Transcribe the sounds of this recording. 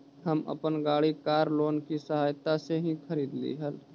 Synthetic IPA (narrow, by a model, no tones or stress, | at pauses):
ɦɐmɐ̰pənɡaːɽikaːɾloːnkisəɦaːjt̪aseɦĩxʰəɾiːd̪lḭɦəl